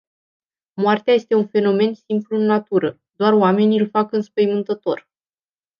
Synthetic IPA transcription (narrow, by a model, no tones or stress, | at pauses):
moart̪eaje̞st̪e̞unfe̞no̞me̞nsimpluɨnːat̪uɾə | d̪oaroame̞niilfakɨnspəjmɨnt̪ət̪o̞̰r